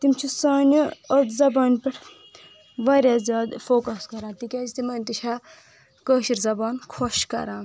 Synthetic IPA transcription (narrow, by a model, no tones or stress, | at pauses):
t̪imt͡ʃʰisaːnʲiɐzɐbaːnʲpɐɾ | ʋɐɾʲazjaːd̪foːkɐskɐɾãːt̪ikʲaːzit̪imɐnʲt̪iʃʰaː | kəːʃiɾzɐbaːnkʰoʃkɐ̰ɾãːn